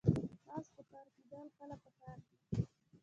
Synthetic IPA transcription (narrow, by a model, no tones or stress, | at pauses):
t̪ɑspəkɑːɾked̪əlxəlapəkɑːɾ